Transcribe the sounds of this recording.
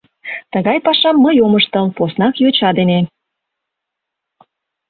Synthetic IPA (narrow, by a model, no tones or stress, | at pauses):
t̪əɣɑjpɑʃɑmːəjoməʃt̪ə̆lposnɑkjot͡ɕɑd̪ene